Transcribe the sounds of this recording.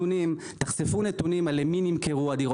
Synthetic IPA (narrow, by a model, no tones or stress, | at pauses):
unim | t̪aχsefunet̪unimaleminimkeʁuad̪iʁo